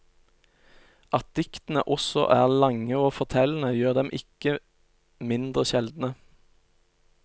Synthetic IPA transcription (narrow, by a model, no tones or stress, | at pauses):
ʔɑt̪̚d̪̥ɪkt̪n̩ə̰ʔɔsɔ̰ʔæːʁlɑŋəoːfɔʁt̪ʰɛln̩əjøːʁd̪ɛmʔɪkə | mɪnd̪ʁəʃɛld̪n̩ə